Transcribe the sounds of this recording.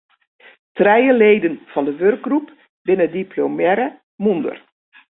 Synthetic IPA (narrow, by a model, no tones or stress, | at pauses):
trɛjəleːdənfɔndəʋørk̚ɡrup | bɪnədipʰlomɛɾə | mundə̰r